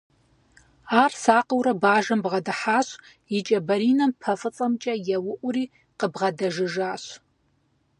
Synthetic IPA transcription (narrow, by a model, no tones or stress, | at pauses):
aːrsaːqʼəwɾɐbaːʒɐmbʁɐdɨħaːɕʷ | it͡ʃʼɐbɐɾiːnɐmpʰɐfɨt͡sʼɐmt͡ʃʼɐjɛwʊʔʷʊriː | qəbʁɐdɐʒɨʒaːɕʷ